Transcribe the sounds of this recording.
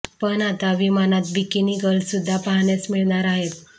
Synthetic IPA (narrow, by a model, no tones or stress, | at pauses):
pənat̪aʋimanat̪̚bikiniɡəlsud̪ʱːapaɦɳjasmiɭɳaɾaɦet̪̚